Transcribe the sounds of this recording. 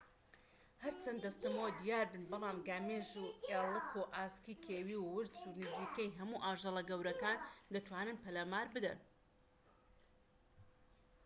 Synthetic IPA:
hɐɾt͡ʃʰɐnd̪ɐst̪ɐmowd̪ijaːɾbɨnbɐlˠɑːmɡaːmeːʒueːlˠɨkʰoʔaːskiːkʰeːwiːwːɨɾt͡sunɨziːkejɦɐmuːʔaːʒɐlˠɐɡɐwɾɐkaːnd̪ɐt̪ʰwaːnɨnpɐlaːmaːɾbɨd̪ɐ̰n

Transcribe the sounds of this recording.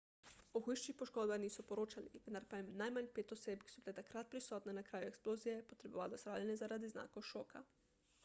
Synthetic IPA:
ɔxujʃt͡ʃixpɔʃkoːd̪baxniːsɔpɔɾoːt͡ʃaliʋənd̪aɾpajmnajmanʲpeːt̪ɔseːpki̥sɔbilɛt̪akɾat̪̚pɾisɔːt̪nɛnakɾaːjuɛksploːzijɛpɔt̪ɾɛbɔ̰ʋalɔsɾawlʲɛnjɛzaɾad̪izna̰ːkoʃoːka̰

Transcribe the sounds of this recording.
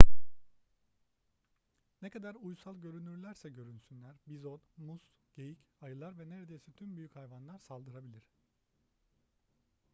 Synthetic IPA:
nekʰad̪aɾujsalˠɟø̞ɾynyɾlʲæɾsɛɟø̞ɾynsynlʲæɾbizonmusɟ̥ejicajɯlˠaɾvɛneɾed̪e̞jisit̪ʰymbyjychajvanlˠaɾsalˠd̪ɯɾabilʲiɾ̝̥

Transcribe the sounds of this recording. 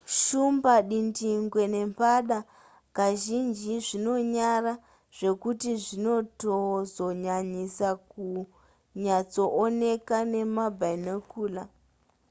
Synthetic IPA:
ʃumbaɗindiŋɡwe̞ne̞mpaɗa | kaʒind͡ʒiʐino̞ɲara | ʐ̥e̞kutiʐino̞tozo̞ɲaɲisaku | ɲat͡so̞ʔone̞kane̞mabʱainokuːla

